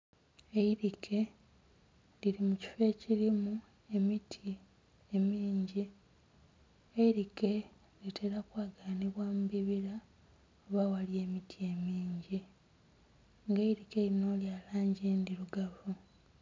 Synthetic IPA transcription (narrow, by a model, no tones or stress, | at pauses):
e̞iɾikʰe̞ | liɾimuci̥fe̞ːciɾimu | e̞mitʰi | emiːɲɟi | eiɾike̞ | liteɾakwaːɡaːniβwamuβiβiɾa | oβawalje̞ːmitʰie̞miːɲɟi | ŋɡeiɾike̞ino̞ːljaːlaːɲɟindiɾuɡavu